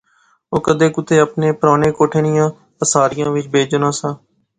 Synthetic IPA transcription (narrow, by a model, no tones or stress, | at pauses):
oːkəd̪eːkʊt̪eːəpneːpɾaːneːkoːʈʰeːnɪjãː | əsaːɾɪjãːʋɪt͡ʃbeːd͡ʒənãːsãː